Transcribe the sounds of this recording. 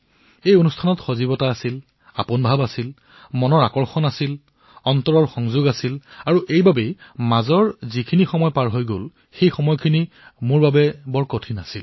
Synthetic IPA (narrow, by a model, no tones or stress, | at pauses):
ejonustʰanɔtxozibɔtaasil | a̰pʊnbʱabasil | mɔnɔɹakɔɹxɔnasil | ɔntɔɹɔɹxɔŋzʊɡasilaɹuʔejbabejmazɔɹzikʰinixɔmɔjɔpaɹɦojɡol | xejxɔmɔjɔkʰini | mʊɹbabɛbɔɹkotʰinasil